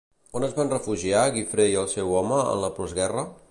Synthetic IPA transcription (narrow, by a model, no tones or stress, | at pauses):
onəzβanrəfuʒiaɣifɾejəlˠsɛwɔməə̰nləpɾɔzɣɛrə